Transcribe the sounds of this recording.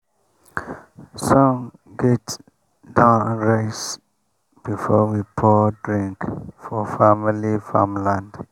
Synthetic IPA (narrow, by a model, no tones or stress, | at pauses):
sɔ̃ŋ | ɡɛt | dãʊnɹeɪs | b̥ifɔwipʰɔdɹĩŋkfɔfamilifa̰mlãnd